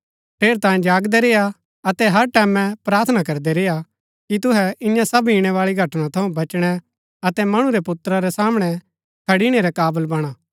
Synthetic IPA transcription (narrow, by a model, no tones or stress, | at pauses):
ʈʰeːɾt̪ãːẽd͡ʒaːɡd̪ɛɾeːa | ɐt̪ɛɦɐɾʈɛːmɛ̃pɾaːɾt̪ʰnakɐɾd̪ɛɾeːja | kit̪ʊɦɛɪjãsɐbiːɽ̃ɛʋaːɭiɡʱɐʈnãt̪ʰɐũbɐt͡ʃɽ̃ɛ | ɐt̪ɛmɐɽ̃ũɾɛpʊt̪ɾaɾɛsaːmɽ̃ɛ | kʰɐɽiɽ̃eɾɛkaːbəlbɐɽ̃aː